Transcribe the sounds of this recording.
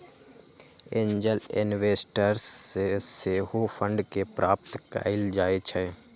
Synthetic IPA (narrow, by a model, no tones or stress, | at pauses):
ẽːɲd͡ʒəlɪ̰nʋeːsʈəɾseseɦopʰə̃ɳɖkepɾaːpt̪ka̰ːɪld͡ʒaːet͡ʃʰɛ